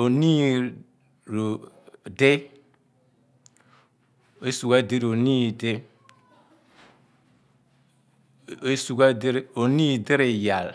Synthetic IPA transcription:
o˨ni˦ | ɾ | de˦ | e˦su˨ɡa˦˨di˦ɾo˨ni˦˨de˦ | e˦su˨ɡa˦di˦ɾo˨ni˦˨de˦ɾe˨ja˨l

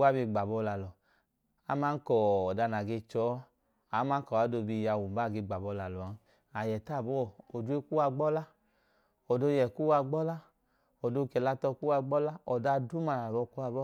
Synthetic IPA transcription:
wa˦bi˧ɡ͡ba˨bɔ˧la˨lɔ˨ | a˨˦ma˦n̩˦kɔː˨da˧˨na˨ɡe˧t͡ʃɔ˨˦ | a˨˦ma˦n˦kɔ˨a˨˦do˧˨bi˧˨ja˧˨wu˨m˦ba˦˨ɡe˧ɡ͡ba˨bɔ˧˦la˨lɔ˨a˨ | a˨jɛ˨ta˦˨bɔ˦˨o˨du˦e˦ku˦wa˧ɡ͡bɔ˦la˦ | ɔ˨do˧˦jɛ˨ku˦wa˧ɡ͡bɔ˦la˦ | ɔ˨do˧kɛ˨la˧˨tɔ˧ku˦wa˧ɡ͡bɔ˦la˦ɔ˨da˧du˦ma˧˨na˨bɔ˧ku˦a˧˨bɔ˦

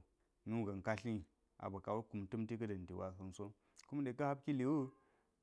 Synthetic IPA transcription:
nu˦˨ɡa˨n˨ka˦ɬi˦˨ | ʔa̰˨ba˨ka˨wo˦ku˨mtɨ˦mti˦kɐ˦dɐ˨n˨di˨wa˨sa˦n˦so˦ | ku˦mɗe˨ka˦ha˦bki˦li˨wu˦

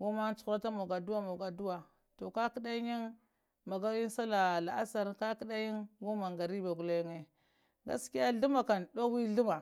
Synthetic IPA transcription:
wo˦ma˦n˦t͡su̥˨˦˨ɾa˦ta˦mo˨ɡa˨du˦wa˦mo˨ɡa˨du˦wa˨ | to˨ka˦ki˦da˦ɲi˦n | ma˨ɡa˦wi˦n˦sa˦la˨la˨a˦sa˦ɾka˦ki˦ɗa˦ji˦nɡo˦ma˨ŋɡa˨ɾi˦ba˨ɡu˨le˦jŋe˨ | ɡa̰˨˦ski˦ja˦ɮu˦ma˨ka˨nɗo˦wi˦ɮu˦ma˨

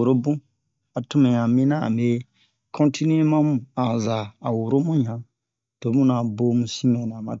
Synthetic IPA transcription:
o˨ɾo˦bũ˦ | a˨tu˦mẽ˨ɲã˨mĩ˦nã˦ã̰˨mbe˦ | kʰɔ̃˦ntʰi˦ni˦e˦mã˦mũ˨ã˨za˨a˨wo˨ɾo˦mũ˦ɲã˨ | to˨˦mũ˦nã˨bo˦mũ˨sĩ˦mɛ̃˨nã˨ma̰˨

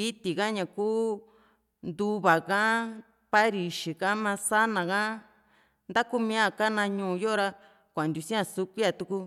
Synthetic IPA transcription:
i˦t̪i˨kã˦ɲã˨kuː˦ | nd̪u˧βa˨kã˦ | pa˦ɾi˨ʃi˨kã˦mã˧sa˦nã˨kã˦ | nd̪a˦ku˦mĩ˧a˦˨ka˦nã˧ɲũ˧˨˧jo˦˧ɾa˦ | kʷnd̪ʲu˧˨sĩ˦ã˧su˦kʷi˦a˧t̪u˧ku˧

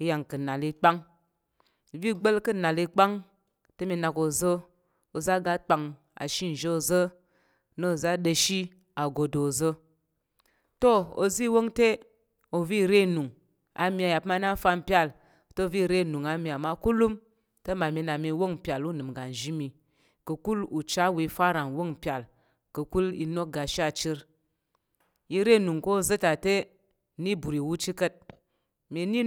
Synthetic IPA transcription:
i˦ja˨ŋkɨ˨na˨li˧k͡pa˦ŋ˨ | vi˦ɡ͡bə˦lkɨ˦na˨li˧k͡pa˦ŋ | tə˦mi˧na˨ko˨zə˦ | o˨za˦ɡa˦k͡pa˧ŋ | a̰˨ʃi˦n̩˨ʒe˦o˧zə˦ | no˦˨za˦ɗə˧ʃi˦ | a˨ɡo˨do˨zə˦ | to˦o̰˨zi˦wo˦ŋte˦ | o˨vi˦˨ɾe˦˨nu˨ŋ | a̰˨mi˧a˨ja˨pma˧˦na˦fa˧mpja˦˨l | to˦˧˨vi˦˨ɾe˦˨nu˨ŋa˨˦mi˨a˨ma˦˧ku˦lu˦m | tə˦ma˨mi˧˦na˨mi˧˦wo˦ŋ̩˨pʲa˨lu˦nɨ˨mɡa˨n˨ʒi˦mi˨ | kə˧ku˦lu˨t͡ʃa˦wi˧˦fa˦ɾa˨ŋwo˦˨ŋ̩˨pʲa˨l | kə˧ku˦lḭ˧no˦k̚ɡa˨ʃa˦˨t͡ʃi˦ɾ | i˧ɾe˦˨nu˨ŋko˦˧zə˦ta˨te˦ | ni˦bu˨ɾi˨wu˦t͡ʃi˦kə˦t̚ | mi˧˦ni˦

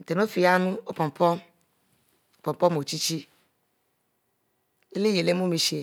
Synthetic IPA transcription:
n̩˨t̪e˨no˦fi˧ja˦nũ˦o˦pɔ˨m˨pʰɔ˦ | o˦pɔ̃˨m˨pɔ˦mo˨t͡ʃi˦t͡ʃi˦ | e˦le˦je˨le˨˦mũ˦mĩ˧ʃi˨

